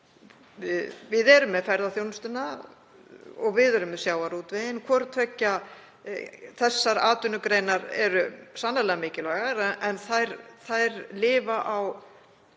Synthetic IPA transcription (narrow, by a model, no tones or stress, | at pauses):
vɪðɛɾʏmːɛðfɛɾðaθjownʏst̪ʏna | ɔɣvɪðɛɾʏmːɛsjaːwaɾuːt̪vɪðɪnkʰɔɾt̪ʰvɛcːa | θɛsːaɾaːt̪ʏnʏkɾejnaɾɛɾʏsanːalɛɣamɪːcɪlaɣaɾɛnθajɾθajɾlɪːvaʔaw